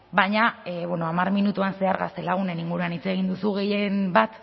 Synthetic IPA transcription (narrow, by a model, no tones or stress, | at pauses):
bajɲaβweno̞amaɾminut̪uanse̞aɾɣa̰st̪e̞laɣ̞une̞niŋɡuɾuanit͡se̞ɣ̞ind̪usuɣe̞je̞mbat̪